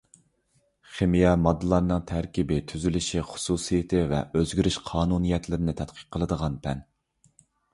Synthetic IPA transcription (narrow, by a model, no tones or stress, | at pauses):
χemijɛmɑd̪ːɨlˠɑɾnɨŋt̪ʰæɾkʲibɪt̪ʰyzylyʃiχʊ̥susɨjɪt̪ʰɪvɛ̰øzɡʲyɾyʃqʰɑːnunijɛt̪lɪɾɪnɪt̪ʰɛt̪̚qʰə̥q̚qʰːəlˠɨd̪əʁɑnpʰɛn